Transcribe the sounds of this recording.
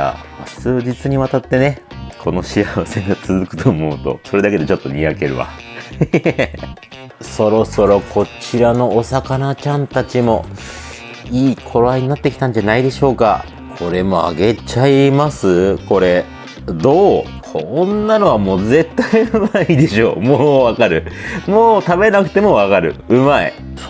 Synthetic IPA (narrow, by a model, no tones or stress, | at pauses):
a̰ | t͡sɨːd͡ʑit͡sɨɲ̟iβat̪at̪ːe̞ne̞kʰo̞no̞ɕiaβasẽ̞ŋɡat͡sɨzɨkɯ̟t̪ʰoːmo̞ɯ̟t̪o̞̰so̞ɾe̞d̪ake̞d̪e̞t͡ɕo̞t̪ːo̞ɲʲiake̞ɾɯ̟̰βa̰ | so̞ɾo̞so̞ɾo̞kʰo̞t͡ɕiɾano̞ːsakanat͡ɕãnt̪at͡ɕimo̞ | iːkʰo̞ɾaiɲ̟inat̪ːe̞kʲi̥t̪ãɲ̟d͡ʑanaid̪e̞ɕo̞ːka̰ | kʰo̞ɾe̞mo̞a̰ɡe̞t͡ɕaimasɨko̞ɾe̞ | d̪oː | kʰonːano̞βamo̞ːze̞t̪ːaiɯ̟maid̪e̞ɕo̞ːmoːβakaɾɯ̟moːt̪abe̞nakɯ̟̥t̪e̞mo̞βakaɾɯ̟ɯ̟maḛ